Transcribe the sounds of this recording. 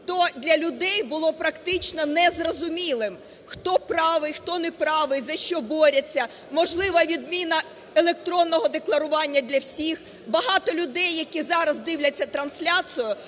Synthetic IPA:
t̪ɔd̪ʲlʲɐlʲʊd̪ɛjbʊlˠɔpɾɐkt̪ɪt͡ʃnɔnɛzrɔzʊmʲilˠɪm | xt̪ɔpɾɑʋɪjxt̪ɔnɛpɾɑʋɪjzɐʃt͡ʃɔbɔɾʲɐt͡sʲːɐ | mɔʒlˠɪʋɐʋʲid̪mʲinɐ | elˠek̚t̪ɾɔnːɔɦɔd̪eklˠɐɾʊʋɑnʲːɐd̪ʲlʲɐwsʲix | bɐɦɑt̪ɔlʲʊd̪ɛjːɐkʲizɑɾɐzd̪ɪwlʲɐt͡sʲːɐt̪ɾɐnsʲlʲasʊjʊ

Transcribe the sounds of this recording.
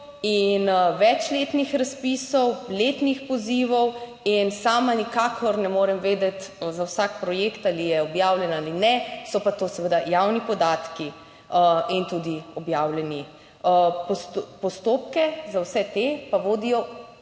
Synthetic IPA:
inʋɛt͡ʃleːt̪nixɾaspiːsɔwleːt̪nixpɔziːʋɔw | insaːmanikaːkʰɔɾnɛmoːɾɛmʋeːd̪ɛt̪zawsaːkpɾɔjeːkt̪alijɛɔbjaːwlʲjɛnaːlinɛsɔpat̪oːsɛʋəd̪ajawnipɔd̪aːt̪ki | əint̪ud̪iɔbjaːwlɛni | pɔst̪pɔst̪oːp̚kɛzawsɛt̪epaʋoːd̪ijɔ

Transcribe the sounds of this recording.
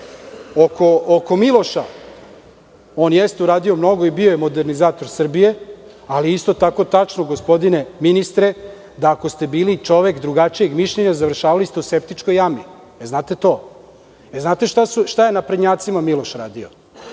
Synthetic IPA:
oko̞okomilˠo̞ʃa̰ | oːnjest̪euɾaːd̪io̞mno̞ɡo̞ibiojemo̞d̪eɾnizaːt̪o̞ɾsr̩bije̞ | aliist̪o̞t̪ako̞t̪at͡ʂnoɡospo̞d̪ine̞minist̪ɾe | d̪aːko̞st̪e̞biːlit͡ʂo̞ʋekd̪ɾuɡat͡ʃije̞ɡmiʃʎeɲazaʋr̩ʃaːʋalist̪euske̞p̚t̪it͡ʂkojami | eznaːt̪e̞t̪o̞ː | eznaːt̪e̞ʃt̪asuʃt̪ajenapɾed̪ɲaːt̪simamilo̞ʃɾaːd̪io

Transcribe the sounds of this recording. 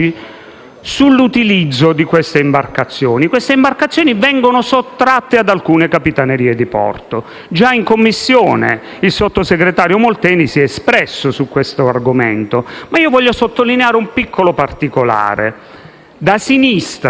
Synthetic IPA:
i | sulːut̪ilid̪zːod̪ikwest̪eimbarkat̪sːjɔːnikwest̪eimbarkat̪sːjoːnivɛŋɡonosot̪ːɾat̪ːead̪alkuːnekapit̪aneɾiːed̪ipɔ̰rt̪o | d͡ʒaiŋkomːisːjoːnḛ | ilsot̪ːoseɡɾet̪aːɾjomolt̪ɛːnisiɛspɾɛsːosukːwest̪oarɡomḛnt̪omaiːovɔʎːosot̪ːolineaːɾeumpikʰːolopart̪ikola̰ːɾḛ | d̪asinist̪

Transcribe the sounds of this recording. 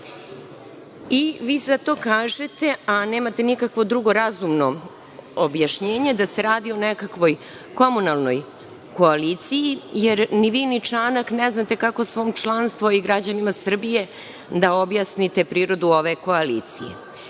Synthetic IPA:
iʋiːzat̪o̞kaːʒet̪e̞ane̞ːmat̪enikakʋo̞d̪ɾuɡo̞ɾazumno̞ | objaʃɲe̞ːɲe̞d̪ase̞ɾaːd̪io̞nekakʋo̞j | ko̞munalˠno̞j | ko̞alit̪sijijeɾniʋiːnit͡ʃaːnakneznat̪e̞kako̞sʋo̞ːmt͡ʃlˠanst̪vʋoiɡɾad͡ʑanimasr̩bije̞ | d̪aobjasnit̪e̞pɾiːɾo̞d̪uo̞ʋe̞ko̞alḭːt̪sḭjḛ

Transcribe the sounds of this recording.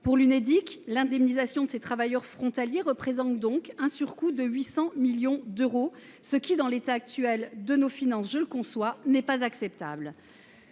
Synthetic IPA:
puʁlyned̪iklɛ̃d̪ɛmnizasjɔ̃d̪əset̪χavajœʁfχɔ̃t̪aljeʁəpχezɑ̃t̪̚d̪ɔ̃kɛ̃syʁkud̪əɥisɑ̃miljɔ̃d̪øʁo | səkʲid̪ɑ̃let̪aːk̚t̪yɛld̪ənofinɑ̃sʒələkɔ̃swanɛpazaksɛp̚t̪a̰bl

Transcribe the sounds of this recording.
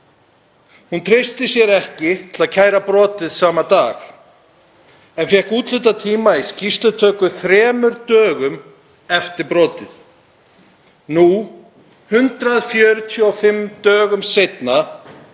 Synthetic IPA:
hunt̪ʰɾɪst̪ɪsjɛɾɛhcɪt̪ʰɪlaðcʰaːjɾapɾɔːt̪ɪðsaːmat̪aːx | ɛnfjɛhkuːt̪lʏːt̪at̪ʰiːmaiscist̪ʏt̪ʰœːkʏθɾɛːmʏɾt̪œːɣʏm | ɛft̪ɪɾpɾɔːt̪ɪθ | nu | hʏnt̪ɾaðfjœːɾʏt̪ʰjɔfɪmt̪œːɣʏmsejt̪na

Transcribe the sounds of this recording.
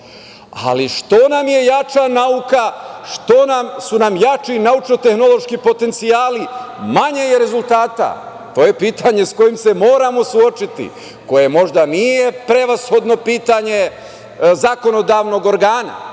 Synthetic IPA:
a̰liʃt̪o̞namje̞jat͡ʃanaukaʃt̪o̞namsunamjat͡ʃinaut͡ʃnot̪e̞xno̞lˠo̞ʃkipo̞t̪e̞nt̪sijaːlimaɲe̞je̞ɾe̞zulˠt̪aːt̪a̰ | t̪o̞ːje̞piːt̪aɲe̞sko̞jimse̞mo̞ːɾamo̞suo̞t͡ʃit̪ḭ | ko̞je̞mo̞ʒd̪anije̞pɾe̞ʋasxo̞d̪no̞piːt̪aɲe̞ | zako̞no̞d̪aːʋno̞ɡo̞ɾɡaːna̰

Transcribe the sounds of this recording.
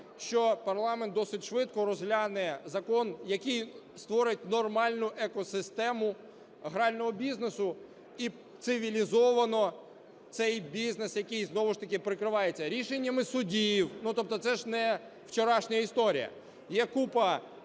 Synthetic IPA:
ʃt͡ʃɔpɐrlˠɑment̪d̪ɔsɪtʲʃʋɪt̪̚kɔɾɔzɦlʲanɛzɐkɔnjɐkɨj | st̪ʋɔɾɪt̚ʲnɔrmɑlʲnʊʔɛkɔsɪst̪ɛmʊ | ɦɾɑlʲnɔɦɔbʲiznesʊ | i | t̪sɪʋʲilʲizɔʋɐnɔ | t̪sɛjbʲiznesjɐkɨjznɔʋʊʃt̪ɐkʲɪpɾɪkɾɪʋɑjet͡sʲːɐɾʲiʃenʲːɐmɪsʊdʲijwnut̪ɔp̚t̪ɔt̪sɛʒnɛ | wt͡ʃɔɾɑʃnʲɐjɐist̪ɔɾʲḭjɐ̰ | jɛkupɐ

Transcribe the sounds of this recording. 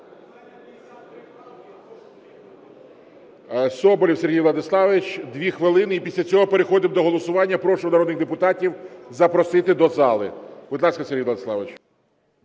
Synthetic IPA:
sɔbɔlʲiwsʲeɦijlˠɐd̪ɪslˠɑʋɪt͡ʃd̪ʋʲixʋɪlˠɪnɪipʲisʲlʲɐt͡sʲɔɦɔpeɾexɔd̪ɪmd̪ɔɦɔlˠɔsʊʋɑnʲːɐpɾɔʃɔwnɐɾɔd̪nɪɣd̪epʊt̪ɑtʲiwzɐpɾɔsɪt̪ɪd̪ɔzɑlˠɪ̰b̥ʊd̪lˠɑskɐsʲerʲɦijʋlˠɐd̪ɪslˠɑʋɪt͡ʃ

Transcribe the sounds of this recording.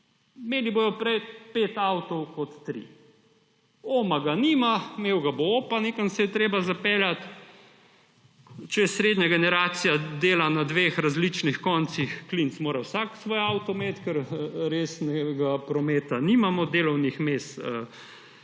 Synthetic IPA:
meːliboːjɔpɾɛjpet̪awt̪ɔwkɔt̪ːɾḭ | oːmaɡaniːmamewɡabooːpaneːkansɛjɛt̪ɾeːbazapeːljat̪ | t͡ʃɛsɾeːd̪ɲaɡɛnɛɾaːt̪sijad̪eːlanad̪ʋeːxɾazlit͡ʃnixkɔnt̪sixklint̪smoːɾawsaksʋoːjawt̪ɔmet̪kɛɾɾeːsnɛɡapɾɔmeːt̪animamɔd̪eːlɔwnixmest̪ə

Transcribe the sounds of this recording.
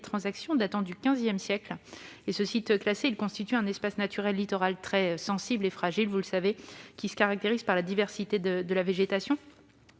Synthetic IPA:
t̪χɑ̃zaksjɔ̃d̪at̪ɑ̃d̪ykʲɛ̃zjɛmsjɛklesəsit̪klaseilkɔ̃st̪it̪yɛ̃nɛspasnat̪yʁɛlːit̪ɔʁalt̪χɛsɑ̃siblefχaʒilvuləsavekʲisə̥kaʁak̚t̪eʁiz̥paʁlad̪ivɛʁsit̪ed̪əd̪əlaveʒet̪asjɔ̃

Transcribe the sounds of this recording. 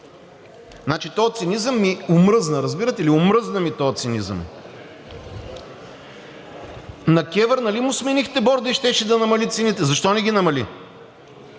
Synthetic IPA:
nat͡ʃit̪ɔɛt̪sinizəmːiʊmɾɤznəɾɐzbiɾət̪ɛliʊmɾɤznəmit̪ɔjɛt̪sinizə̰m | nɐkʲɛvəɾnɐlimʊsminixt̪ɛbɔɾd̪əiʃt̪ɛʃɛd̪ɐnɐmɐlit̪sinit̪ɛzɐʃt̪ɔnɛɡʲinɐmɐli

